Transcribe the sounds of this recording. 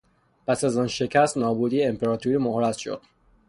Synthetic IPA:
pʰæsæzɒːnʃe̞cʰæst̪nɒːbuːd̪iːjeempe̞ɾɒːt̪ʰuɾiːmohɾæt̪ʃo̰d̪̥

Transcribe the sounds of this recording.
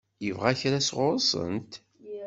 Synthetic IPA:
jəvʁæçɾasʁʊɾˤəsˤə̰nt̪

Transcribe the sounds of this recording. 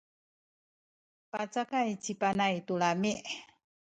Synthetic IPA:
pat͡sakajt͡ɕipanajt̪uɭamiʔ

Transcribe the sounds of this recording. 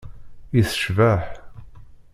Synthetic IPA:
iθə̥ʃvæħ

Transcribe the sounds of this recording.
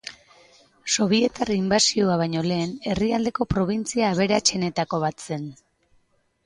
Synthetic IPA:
so̞β̞ie̞t̪ariimbasioaβ̞ajɲo̞le̞ːne̞riald̪e̞ko̞pɾo̞β̞int͡siaːβe̞ɾat͡ʃe̞ne̞t̪ako̞β̞at̪se̞n

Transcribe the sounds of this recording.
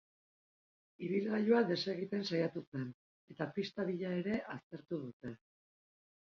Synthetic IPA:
iβilɣaʎoaðe̞se̞ɣ̞it̪e̞nsajat̪use̞n | e̞t̪apist̪aβiʎae̞ɾe̞ʔast̪e̞ɾt̪uð̞ut̪e̞

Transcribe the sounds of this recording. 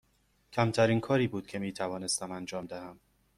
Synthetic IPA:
cʰæmt̪ʰæɾiːnkʰɒːɾiːbuːd̪̥cʰe̞miːt̪ʰævɒːne̞st̪æmænd͡ʒɒːmd̪æhæm

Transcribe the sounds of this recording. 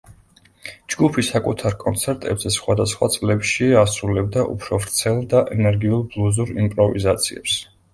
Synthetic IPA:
d͡ʒɡupʰisakʼut̪ʰaɾkʼɔnt̪sʰɛɾt̪ʼɛbzɛsχwad̪asχwa̰t̪sʼlɛpʃiasɾulɛb̚d̪aʔṵpʰɾɔvɾt̪sʰɛlˠd̪aʔɛnɛɾɡiulˠblˠuzuɾimpʼɾɔvizat̪sʰiɛ̰ps

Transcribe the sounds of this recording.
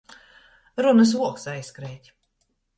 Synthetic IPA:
ɾunɨs̬uɔksajskɾɛːt̪ʲ

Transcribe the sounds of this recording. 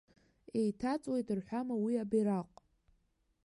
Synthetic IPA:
e̞jtʰat͡sʼwe̞jtʰɨrħʷamawiabiɾaqʷʼ

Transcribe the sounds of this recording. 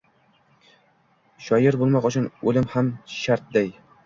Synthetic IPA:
ʃɒjɪɾbolˠmɒqʊt͡ʃʰʊnɵlɪmhamʃaɾt̪̚d̪aj

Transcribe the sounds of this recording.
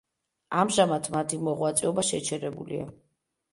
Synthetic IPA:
amʒamat̪ʰmat̪ʰimɔʁwat̪sʼɛɔbaʃɛt͡ʃʰɛɾɛbulḭa̰

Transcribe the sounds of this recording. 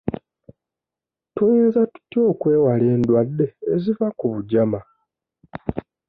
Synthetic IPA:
tujiːnzatu̥tjo̞ːkwe̞ːwale̞ːndwadːe̞ːzivakuβuɟama

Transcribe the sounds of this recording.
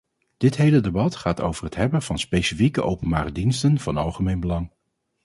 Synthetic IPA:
d̥ɪtɦejlədebɑtχaːto̰wvərɦətɦɛbəv̥ɑnspejsifikəʔowpənbaːɾədinstənv̥ɑnɑlˠχəmejnbəlɑŋ

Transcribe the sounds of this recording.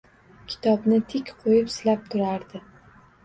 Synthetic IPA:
kʲʰɪ̥t̪ʰɒbnɪt̪ʰɪkʲqʰojɪpsɪlap̚t̪ʰʊɾaɾd̪ɪ

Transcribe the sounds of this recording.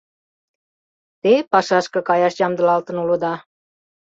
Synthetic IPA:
t̪epɑʃɑʃkɤ̆kɑjɑʃjɑmd̪ə̆lɑlt̪ə̆nulə̆d̪ɑ

